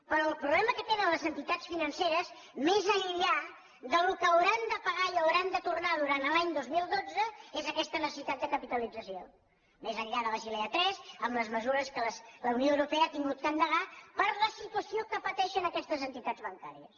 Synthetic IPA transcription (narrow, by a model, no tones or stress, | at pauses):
pɾɔəlˠpɾuβlɛməkət̪enənləzənt̪it̪at͡ssfinənseɾəz | mezəʎʎa | ðəlukəəwɾand̪əpəɣaiəwɾand̪ət̪urnað̞uɾant̪laɲd̪ozmilˠd̪od͡zəezəkɛst̪ənəsə̥sit̪ad̪̚d̪əkəpit̪əlid͡zəsio | mezəʎʎaðələʃileət̪ɾɛzəmləzməzuɾəskələsləunioəwɾupeəaːt̪iŋɡut̪̚kənd̪əɣapəɾləsit̪uəsiokəpət̪ɛʃənəkɛst̪əzənt̪it̪ad͡zβəŋka̰ɾiəs